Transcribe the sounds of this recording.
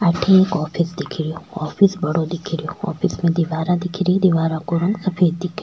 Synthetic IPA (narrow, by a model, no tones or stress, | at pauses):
ɐʈʰekɔːpʰɪsd̪ɪkʰɪɾijoɔːfisbɐɽod̪ɪkʰiɾijoɔ̰ːpʰismẽd̪iʋaːɾãd̪ɪkʰɪɾiĩd̪iʋaːɾãkoɾõnsɐpʰeːɾd̪ɪkʰɾ